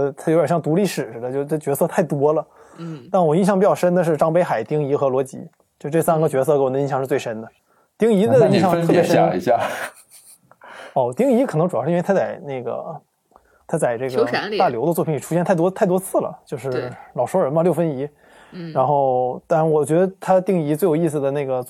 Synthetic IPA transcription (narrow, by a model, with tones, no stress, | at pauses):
t̪ʰo˧˥jɕjɑ˥˩ŋt̪u˧˥li˥˩ʂɻ̩˨˩ɻ̩˧˩d̪ə˦t͡ɕjo˥˧ʊ˥ʈ͡ʂt͡ɕɥɛ˧˥sɤ˥˧t̪ʰa˥˩ɪt̪wɔ˥lə˨ | t̪a˥˩nwɔ˨˩i˥˧˩ɕjɑ˥˧pi˧˩t͡ɕɑ˥˩ʊʂə˥nd̪ə˨ʂ̬ɻ̩˥˩ʈ͡ʂɑ˥ŋpe˥ɪxa˨˩ɪt̪i˥ŋi˧˥xɤ˧˥lwɔ˧˥t͡ɕḭ˧˥ | t͡ɕjo˥˧ʂ̩˥˧˥ʈ͡ʂɤ˥˩sa˥nɡə˧˨t͡ɕɥɛ˧˥s̬ɤ˥˧ke˥wɔ˨˩d̪ə˧i˥˧ɕjɑ˥˧ŋʂɻ̩˥˧t͡swe˥˩ɪʂə˥nd̪ə˨ | t̪i˥ŋi˧˥ə˥˩˧i˥˧ɕɑ˥˧ŋ˥t̪ʰɤ˥˩pjɛ˧˥ʂ | ɔ˥˩t̪i˥ŋi˧˥kʰnɤ˧˥ŋʈ͡ʂu˨˩ɑ˥ʂ̩˥˧˥t̪ʰa˥˧t͡sa˨˩ɪne˥˩ɡə̰˩ | t̪ʰa˥t͡sa˥˨˩ɪʈ͡ʂɤ˥˩ɡə˩˧t̪a˥˩ljo˧˥ʊd̪ə˧t͡swɔ˥˩pʰi˧˥ni˨˩ʈ͡ʂʰu˥ɕɛ˥˧nt̪ʰa˥˩t̪wɔ˥t̪ʰa˥˩ɪt̪̬wɔ˥t͡sʰɹ̩˥˩lə̰˩t͡ɕjo˥˧ʊʂɻ̩˥˩lɑ˨˩ʊʂwɔ˥ɻə˧˥nmə˧ljo˥˩ʊfə˥ni˧˥ | ɻa˧˥nxo˥˩ʊt̪a˥˩wɔ˨˩t͡ɕɥɛ˧˥d̪ə˧t̪ʰa˥t̪i˥˧ŋi˧˥t͡swe˥˩ɪjʊi˥˩s̬̩˩d̪ə˩ne˥˩ɪɡə˩